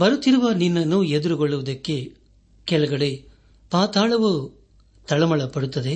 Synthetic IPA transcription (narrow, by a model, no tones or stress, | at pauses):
bɐɾut̪ːiɾuʋɐninːɐnːued̪uɾuɡɔɭːuʋɐd̪ɐkːe | kɛɭɐɡɐɽe | paːt̪aːɭɐʋu | t̪ɐɭɐmɐɭɐpɐɽut̪ːɐd̪e̞